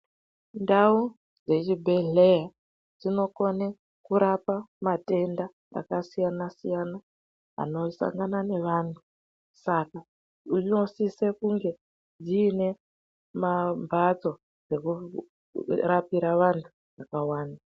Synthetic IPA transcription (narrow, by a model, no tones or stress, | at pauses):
ndau | d͡ze̞t͡ʃibʱe̞ɮe̞ja | d͡zino̞ko̞ne | kuɾapamate̞nda | a̰kasijanasijana | a̰no̞sa̰ŋɡanane̞ʋaːntʰu | saka | unosise̞kuŋɡe̞ | d͡ziːne̞ | mambʱat͡so̞ | d͡ze̞ku | rapiɾaʋantʰu̥ | ʋakawaːna